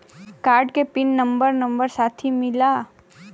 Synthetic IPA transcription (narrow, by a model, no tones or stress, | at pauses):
kaːɾɖkepɪnːə̃mbəɾnɐ̃mbəɾsaːt̪ʰimɪlaː